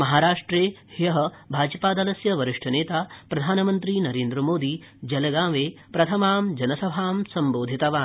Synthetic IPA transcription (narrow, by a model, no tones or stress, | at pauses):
mɐɦaːɾaːʂʈɾeːhjɐɦɐbʱaːd͡ʒɐpaːd̪ɐlɐsjɐʋɐɾɪʂʈʰɐneːt̪aːpɾɐd̪ʱaːnɐmɐnt̪ɾinɐɾeːnd̪ɾɐmoːd̪i | d͡ʒɐlɐɡãːʋeːpɾɐt̪ʰɐmaːmd͡ʒɐnɐsɐbʱaːmsɐmboːd̪ʱit̪ɐʋaː